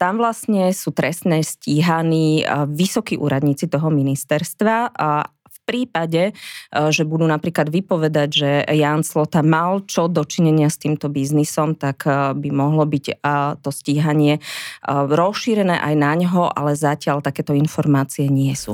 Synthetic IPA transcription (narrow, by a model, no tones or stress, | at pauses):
t̪amʋlasɲɛsuːt̪ɾɛst̪nɛːsciɦaniːʋisɔkiʔṵːɾad̪ɲiːt͡sit̪ɔɦɔminist̪ɛɾst̪ʋa | fpɾiːpaɟɛʒɛbud̪uːnapɾiːklad̪ʋipɔʋɛd̪aɟʒɛjaːnslɔt̪amalt͡ʃɔd̪ɔt͡ʃiɲɛɲɪast̪iːmt̪ɔbiznisɔmt̪akbimɔɦlɔbict̪ɔsciːɦaɲɪɛ | ɾɔsʃiɾɛnɛ̰ːʔajnaɲɦɔʔa̰lɛzacɪaʎt̪akɛːt̪ɔinfɔɾmaːt͡sijɛɲɪɛsṵ